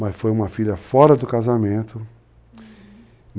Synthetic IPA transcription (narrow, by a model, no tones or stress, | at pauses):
mɐsfojũmɐfiʎɐfɔɾɐd̪ʊkazamẽnt̪ʊ | n